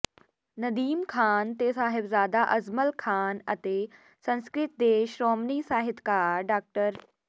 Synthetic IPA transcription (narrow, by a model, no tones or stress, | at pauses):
nɐd̪iːmkʰaːnt̪esaːɦɪbzaːd̪aʔɐzməlkʰaːnɐt̪eː | sɐ̃nskɾɪt̪̚d̪eːʃɾɔːmnisaːɦɪt̪kaːɾɖaːk̚ʈəɾ